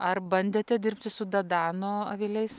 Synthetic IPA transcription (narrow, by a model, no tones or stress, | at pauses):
ɐɾbɐnʲd̪ʲeːt̪ʲɛd̪ʲɪɾʲpʲt̪ʲɪsʊd̪ɐd̪ɑːnoːɐʋʲɪlʲɛɪs